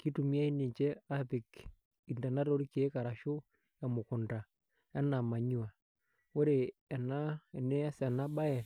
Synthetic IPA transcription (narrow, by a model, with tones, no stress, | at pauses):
ki˦tu˨mi˦a˦i˦ni˨ɲt͡ʃɛ˦a˦pi˨k | i˨nda˨na˦ɾo˦ɾi˦ki˨e˦ka˨ɾa˨ʃo˦ | ja˨mo˨ku˨nda˨ | ɛ˦na˨ma˨ɲu˦a˨ | o˦ɾe˨ɛ˨na˦ɛ˨ne˦a˦sɛ˨na˦ba˦ɛ˨